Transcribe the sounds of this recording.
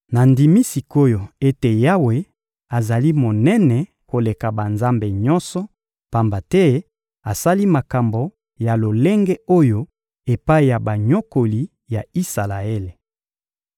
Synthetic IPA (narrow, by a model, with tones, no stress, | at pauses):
na˨ndi˨mi˦si˨ko˦jo˨e˦te˨ja˦we˨ | a˨za˨li˦mo˨nɛ˦nɛ˨ | ko˨le˨ka˨ba˨nza˦mbe˨ɲɔ˦nsɔ˨ | pa˨mba˨tɛ˦ | a˨sa˦li˦ma˨ka˨mbo˨ | ja˨lo˨le˦ŋɡe˦o˦jo˦ | e˨pa˦i˨ja˨ba˨ɲo˦ko˨li˨ | ja˨i˦sa˨la˨e˦le˨